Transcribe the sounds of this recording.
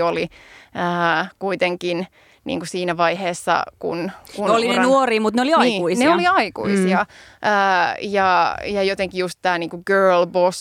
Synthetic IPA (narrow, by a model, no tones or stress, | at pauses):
oliəːkuit̪eŋkin | nḭːŋkusiːnæʋɑiheːsːɑ̰kṵnkunolinenuoriːmut̪neoliɑiːuineoliɑikṵisiɑʔəːjɑjɑjot̪eŋkijust̪t̪æːniːŋkuɡ̥øːlbos